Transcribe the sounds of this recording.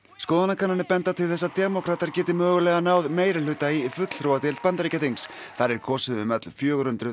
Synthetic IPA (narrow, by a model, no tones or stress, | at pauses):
skɔːðanakʰananɪpɛnt̪at̪ʰɪlθɛsːat̪ɛmɔkʰɾat̪aɾ̥cɛːt̪ɪmœːɣʏlɛɣanaːwðmeːjɾɪlʏːt̪aifʏt̪l̥θɾowat̪ɛlt̪̚pant̪aɾijcat̪iŋs | θaɾɛɾ̥kʰɔːsɪðʏmœt̪l̥fjœːɣʏɾhʏnt̪ɾʏ